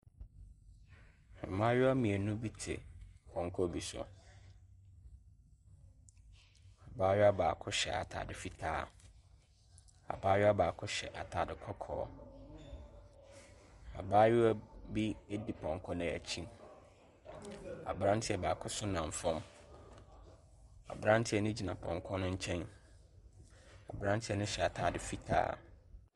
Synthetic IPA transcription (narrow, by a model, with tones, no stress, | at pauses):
ɛ˨mã˦ɥʊ˦a˦mĩ˨ɛ˨nũ˦bi˦tʰɪ̰˨pʰɔ̃˨ŋ˨kʰɔ˦bi˨sʊ̰˨ | a˨baː˦ɥʊ˦a˦baː˨kʰʊ˦ɕɛ̰˨a̰˨tʰa̰ː˨dɪ˨fi˦tʰaː˦˨ | a̰˨baː˦ɥʊ˦a˦baː˨kʰʊ˦ɕɛ̰˨ʔa˨tʰaː˨dɪ˨kʰɔ˦kʰɔ̰ː˨˦ | a̰˨baː˦ɥʊ˦bi˦e˦di˨pʰɔ̃˨ŋ˨kʰɔ̃˦nɪ̃˨æ̰˨t͡ɕʰĩ˦˨m | a̰˨bɾã˦ntʰɪ˦ɛ˨baː˨kʰʊ˦sʊ˦nã˨ɱ˨fɔ̃˦m | a̰˨bɾã˦n˦tʰɪ˦ɛ˦nʊ̃˦d͡ʑi˨nã˨pʰɔ̰̃˨ŋkʰɔ˦nʊ̃˦ɲ̩˦t͡ɕʰɛ̃˦n | a̰˨bɾã˦n˦tʰɪ˦ɛ˦nʊ̃˦ɕɛ˨a˨tʰaː˨dɪ˨fi˦tʰa̰ː˦